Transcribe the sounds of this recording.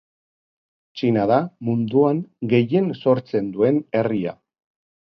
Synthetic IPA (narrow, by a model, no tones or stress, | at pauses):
t͡ʃinaðamund̪uaŋɡe̞je̞nso̞ɾt͡se̞nd̪ue̞ne̞ria̰